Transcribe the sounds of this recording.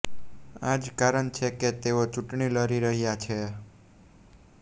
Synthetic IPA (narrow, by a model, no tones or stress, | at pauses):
ad͡ʒkaɾəɳt͡ʃʰeket̪eot͡ʃuʈɳiləɾiɾəɦjat͡ʃʰe